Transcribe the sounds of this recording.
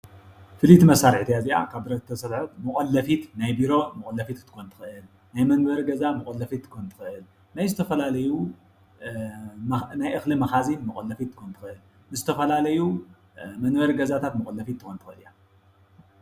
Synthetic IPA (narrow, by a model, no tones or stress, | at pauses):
fɨlit̪mɐsaɾħt̪ʰijaziʔa̰kʰaβbɨɾɐt̪t̪ʰɐsɐt̪ħot̪mɨkʼɐlːɐfit̪najbiɾo̞mɨkʼolːɐfit̪t̪ʰːɨ̥xont̪ʰɨ̥xɨʔɨl | najmɐnbɐɾɡɐzamɨkʼɐlːɐfit̪ːɨkʰont̪ʰɨ̥xɨʔɨl | najzɨt̪ʰɐfɐlalɐju | najʔɨxlɨmɐxazinmɐkʼɐlːɐfit̪ːɨ̥kont̪ʰɨ̥xɨʔɨl | nɨzɨt̪ʰɐfɐlalɐju | mɐnbɐɾɡɐzat̪ʰat̪mɨkʼolːɐfit̪ʰːɨxont̪ɨ̥xɨɨlija